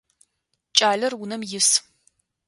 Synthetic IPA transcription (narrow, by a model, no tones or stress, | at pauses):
t͡ʃʼaːɮɐrwʊnɐmjɪs